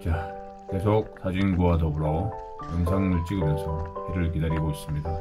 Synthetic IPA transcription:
t͡ɕa | ke̞sʰok̚s͈ad͡ʑinɡuwadʌbuɾʌ | ʌns̬ʰaŋnuɭt͡ɕ͈iɡɯmjʌnsʰʌiɾɯɭk̬idaɾiɡois͈ɯmɲida

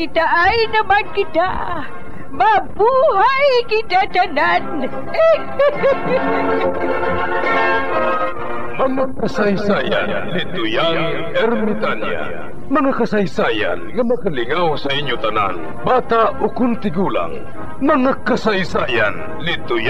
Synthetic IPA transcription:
kɪt̪aʔajnɐmankɪt̪a̰ | mabuːɦajkɪt̪at̪anan | mɐŋakasajsaːja̰n | lɪt̪ʊjaŋ | ɛɾmɪt̪anja̰a̰ | mɐŋakɐsajsaːja̰nŋɐmɐkalɪŋawsaʔiɲjʊt̪ɐna̰n | baːt̪aʔʔokʊnt̪ɪɡuːla̰ŋ | mɐŋakɐsajsaːjan | lɪt̪ʊja

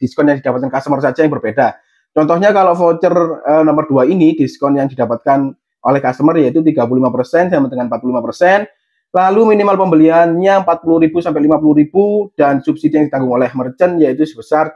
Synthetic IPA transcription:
d̥iskɔnjaŋdid̥apat̪kankast̪əmərsad͡ʒajaŋbərbeda | t͡ʃɔnt̪ɔhɲakaloʔfot͡ʃərənɔmərduainid̥iskɔnjaŋdidapat̪̚kan | ʔo̰lɛhkast̪əmərjait̪ut̪̬iɡap̬ululimapərsɛnsamənd̪əŋanəmpat̪̚ulimapərsɛn | laluminimalpəmbəlianɲaəmpat̪̚puluɾibusampɛɪʔlimap̬uluɾib̥ud̥ansubsidijaŋdi̥t̪aŋɡʊŋolɛhmərt͡ʃənjait̪̬usəbəsar

